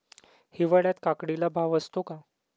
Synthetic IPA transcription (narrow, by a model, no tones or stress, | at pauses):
hiʋəɽjat̪kakɽilabʱaʋəst̪oka